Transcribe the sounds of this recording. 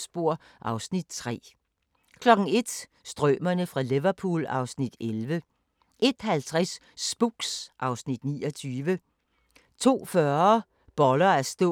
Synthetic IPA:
sb̥o̝ɐ̰ | ʔɑ̈ʊsnid̥t͡sʰʁɛ̰ː | kʰlɒ̽ɡ̥ŋ̩e̝d̥ | sd̥ʁœmɐnəfʁɑ̈leʋɐpʰṵːlɑ̈ʊsnid̥elʋə | ʔe̝d̥hælt͡sʰʁasː | b̥uɡ̥sʔɑ̈ʊsnid̥nḭːɒt͡sʰyːʋə | t͡sʰo̝̰ːfɶɐ | b̥ɒ̽lɐæɐsd̥ɔ̰

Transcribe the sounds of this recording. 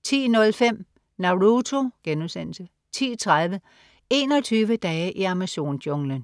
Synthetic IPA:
t͡sʰḭːnɔ̽lfem̰ | nɑ̈ʊʁut͡sʰo̝ɡ̥enuðsen̰l̩sə | t͡sʰḭːt͡sʰʁaðˠʋə | e̝̰ːnɒ̽t͡sʰyːʋəd̥ɛɪəʔiɑmæso̝̰ːndoŋlən

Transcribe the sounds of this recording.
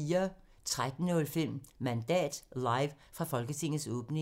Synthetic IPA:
iːɐ | t͡sʰʁad̥n̩ɔ̽lfemmmænd̥ɛ̰ːd̥lɑ̈ɪʋ | fʁɑ̈fɒ̽lɡ̥ət͡sʰe̝ŋ̰n̩sɔːb̥ne̝

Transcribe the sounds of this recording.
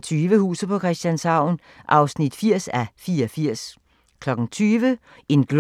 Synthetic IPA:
t͡sʰyːʋəhṵːs̩pʰɒ̽kʰʁɛsd̥jænsɑ̈ʊ̰n | ʔɑ̈ʊsnid̥fiɐ̰sæfiːɐɒfiɐ̰s | kʰlɒ̽ɡ̥ŋ̩t͡sʰyːʋə | e̝nɡ̥l

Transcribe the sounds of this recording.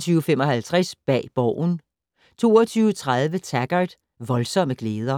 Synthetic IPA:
t͡sʰyːʊəfemɒ̽ɦælt͡sʰʁasb̥ɛ̰ːb̥ɒʊ̰n | t͡sʰo̝̰ːɐt͡sʰyːʊt͡sʰʁað̞ˠʋət͡sʰæɡ̥ɐd̥ | ʋɒ̽lsɒ̽m̰əɡ̥leːð̞ˠɐ

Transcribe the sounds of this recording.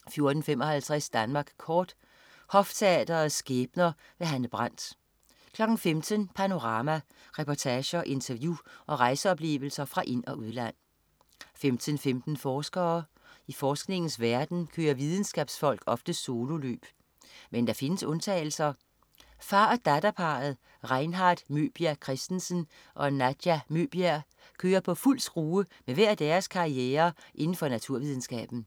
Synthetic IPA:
fjo̝ɐd̥n̩fem̰ɒ̽hælt͡sʰʁɛsd̥ænmɑ̈ːɡ̥kʰɒːd̥ | hɒ̽ft͡sʰeɛ̰d̥ɐð̩ˠsɡ̥eːb̥nɐ | ʋe̝ɦænəb̥ʁɑn̰d̥ | kʰlɒ̽ɡ̥n̩femt͡sʰənpʰæno̝ʁɑ̈ːmæ | ʁɛpʰɒt͡sʰæːɕɐʔe̝nt͡sʰɐʋjuʔɒ̽ʁɑ̈ɪsəɒ̽b̥le̝̰ːʋl̩sɐfʁɑ̈ʔe̝n̰ɒ̽ʔuð̞̩ˠlæn̰ | femd̥ʰən̩femd̥n̩fɒːsɡ̥ɐː | ifɒːsɡ̥ne̝ŋn̩sʋæɐd̥n̩kʰøːɐʋið̞ˠn̩sɡ̥ɛ̰ːb̥sfɒ̽l̰ɡ̥ɒ̽fd̥əso̝ːlo̝lø̰ːb̥ | mend̥ɑ̈fe̝nəsɔ̽nt͡sʰɛ̰ːɪl̩sɐ | fɑ̈ːd̥æd̥æpʰɑ̈ð̩ˠ | ʁɑ̈ɪnɦɑ̈d̥mø̰ːb̥iækʰʁɛsd̥n̩sən | ʔɒ̽næd̥jæmøːb̥iæɐ | kʰøːɐpʰɒ̽ful̰sɡ̥ʁuːəmeʋæɐ̰d̥æːɐskʰɑ̈ieːɐʔe̝nn̩fɒ̽næt͡sʰuɐ̰ʋið̞ˠn̩sɡ̥ɛ̰ːb̥n̩

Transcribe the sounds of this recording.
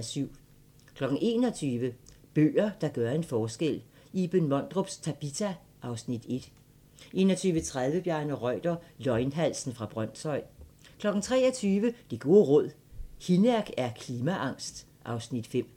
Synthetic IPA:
syʊ̰ | kʰlɒ̽ɡ̥n̩e̝ːnɒ̽t͡sʰyːʋəb̥ø̰ːɐd̥ɑ̈ɡ̥ɶɐe̝nfɒːsɡ̥el̰ | ib̥ønmɒ̽n̰d̥ʁob̥st͡sʰæb̥it͡sʰæ | ʔɑ̈ʊsnid̥e̝d̥ | ʔe̝̰ːnɒt͡sʰyːʋət͡sʰʁaðˠʋəb̥jæɐnəʁɒɪd̥ɐlɒ̽ɪnɦæl̰sn̩fʁɑ̈b̥ʁɶn̰sʰɒ̽ɪ̰kʰlɒ̽ɡ̥n̩t͡sʰʁɛ̰ːɒt͡sʰyːʋəd̥e̝ɡ̥o̝ːʁɔ̽ð̞̰ˠ | hinæɐɡ̥æɐkʰliːmæʔɑ̈ŋ̰sd̥ | ʔɑ̈ʊsnid̥fem̰

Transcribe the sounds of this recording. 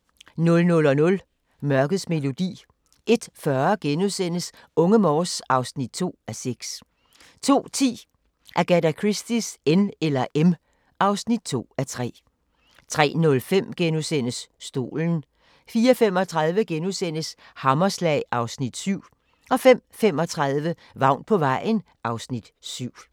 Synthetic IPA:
nɔ̽lnɔ̽lɒ̽nɔ̽l | mɶɐɡ̥əð̩ˠsme̝lo̝d̥ḭː | ʔe̝d̥fɶɐɡ̥enusen̰əs | ɔ̽ŋəmɒːsɑ̈ʊsnid̥̚t͡sʰo̝̰ːæseɡ̥s | t͡sʰo̝̰ːt͡sʰḭː | ʔæɐɡ̥æd̥ækʰʁisd̥isenelɐʔem | ʔɑ̈ʊsnid̥̚t͡sʰo̝̰ːæt͡sʰʁɛ̰ː | t͡sʰʁɛ̰ːnɔ̽lfem̰ɡ̥enuðsen̰əsːd̥o̝̰ːln̩ | fiːɐfem̰ɒ̽t͡sʰʁɑ̈ðˠʋəɡ̥enuðˠsen̰əs | hɑ̈mɐslɛ̰ɪɑ̈ʊsnid̥syʊ̰ | ʔɒ̽fem̰fem̰ɒ̽t͡sʰʁɑ̈ðˠʋə | ʋɑ̈ʊ̰n̥̚pʰɒ̽ʋɑ̈ɪ̰n̩ | ʔɑ̈ʊsnid̥syʊ̰

